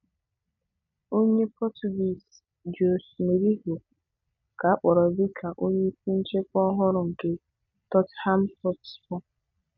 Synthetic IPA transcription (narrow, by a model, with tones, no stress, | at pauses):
o˦ɲe˦pɔ˦tu˨bi˨s | d͡ʒo˨sme˨ɾi˦ɦo˨ | ka˨a˦k͡pɔ˨ɾɔ˨bɪ˦kʰa˨ʔo˦ɲe˦pu˦n̩˦t͡ʃe˦kʷɔ˦ɦɔ˦ɾʊ˨ŋ̩˨ke˦ | tɔ˦tha˦m̩˦pɔ˦pspɔ˦